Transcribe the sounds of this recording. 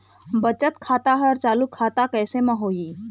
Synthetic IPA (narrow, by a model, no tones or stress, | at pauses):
bət͡ʃət̪kʰaːt̪aɦəɾt͡ʃaːlukʰːaːt̪akɛːsemə̃ɦoːi